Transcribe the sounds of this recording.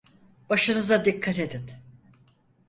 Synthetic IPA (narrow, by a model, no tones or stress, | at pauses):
b̥aʃɯnɯzad̪ikʰːat̪e̞d̪in